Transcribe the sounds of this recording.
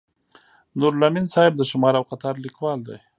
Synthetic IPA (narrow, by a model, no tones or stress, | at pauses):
nuɾlaminsɑɪb̚d̪əʃʊmɑɾawqat̪ɑɾlikwɑld̪a̰j